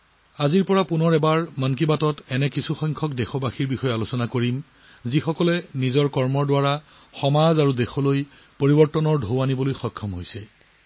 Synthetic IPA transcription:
aziɹpɔɹapunɔɹɛbaɹmank̬ibatɔtɛnɛkisuxɔŋkʰɔk̚dɛxɔbaxiɹbixɔjɔalosɔnakoɹim | zixɔkɔlɛnizɔɹkɔɹmɔɹdwaɹa | xɔmazaɹudexɔloj | poɹibɔɹtɔnɔɹdʱowanibɔlojxɔjkʰːɔmɦojsɛ

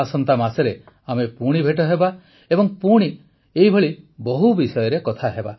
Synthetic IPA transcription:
sɔnt̪amasɔɾe | amepuɽ̃ibʱeʈɔɦeba | ebɔŋpuɽ̃i | eɦibʱɔɭibɔɦubisɔjɔɾekɔt̪ʰaɦeba

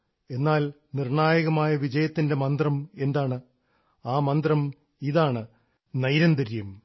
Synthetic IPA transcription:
e̞nːaːl | nirɳaːjɐɣɐmaːjɐʋid͡ʑɐjɐt̪ːinde̞mɐnd̪rɐme̞nd̪aːɳɨ | aːmɐnd̪rɐm | iðaːɳɨ | nɐjɾɐnd̪ɐɾjɐm

